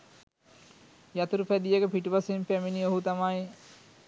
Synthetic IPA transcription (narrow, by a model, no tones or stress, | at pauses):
jat̪uɾupæd̪ijəkəpiʈuʋasempæminioɦut̪amaj